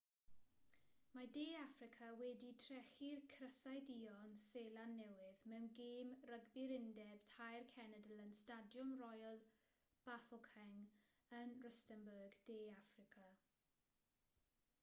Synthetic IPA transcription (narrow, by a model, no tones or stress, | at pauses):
madeːafrɪkʰawɛditʰrɛχirkʰrəsajdiːɔnseːlˠanːɛwɪðmɛwnɡeːmrəɡbɪɾɪndɛb̥tʰajrkʰɛnədəlˠənstadjʊmrɔjɔlˠ | b̥aθɔkʰɛŋ | ənrəstənbəɡd̥eːafrɪkʰa